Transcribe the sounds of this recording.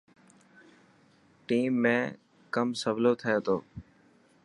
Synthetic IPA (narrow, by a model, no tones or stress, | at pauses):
ʈiːmːẽː | kəmsəʋloːt̪ʰəjeːt̪oː